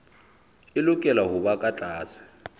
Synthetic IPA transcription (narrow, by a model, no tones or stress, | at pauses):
ɪlʊkʼɛlaɦʊβakʼat͡ɬʼaːsḁ